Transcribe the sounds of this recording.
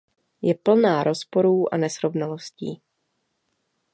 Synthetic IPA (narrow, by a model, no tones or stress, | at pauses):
jɛpl̩naːɾʔo̞spo̞ɾuːʔa̰nɛsɾo̞vnalo̞sciː